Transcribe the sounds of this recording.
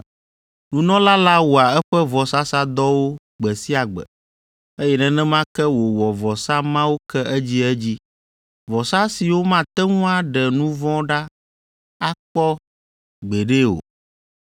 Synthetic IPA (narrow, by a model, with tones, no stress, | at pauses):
nũ˨nɔ̃˦la˦la˦wo˨a˨ɛ˦ɸɛ˦vɔ˨sa˦sa˦d̪ɔ˦wo˦ | ɡ͡bɛ˨si˦a˨ɡ͡bɛ̰˨ | e˦jɛ˨nɛ̃˦nɛ̃˦mã˦kɛ˦wo˨wɔ˨vɔ˨sa˦mã˦wo˦kɛ˦ɛ˦d͡ʑi˦ɛ˦d͡ʑi˦ | vɔ˨sa˦si˨wo˦mã˦˨t̪ɛ˦ŋũ˦a˨ɖɛ˨nũ˦vɔ̃˦ɖa˦ | a˦k͡pɔ˦ | ɡ͡be˨ɖe˦o̰˨